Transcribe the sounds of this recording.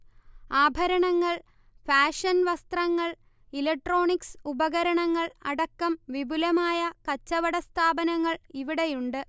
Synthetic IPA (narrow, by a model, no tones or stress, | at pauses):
aːbʱɐɾɐɳɐŋːɐɭ | faːʂɐnʋɐst̪rɐŋːɐɭ | ilɐk̚ʈro̞ːɳiksubɐɣɐɾɐɳɐŋːɐɭɐɽɐkːɐmʋibulɐmaːjɐkɐt͡ɕːɐʋɐɽɐst̪ʰaːbɐnɐŋːɐɭiʋiɽejuɳɖɨ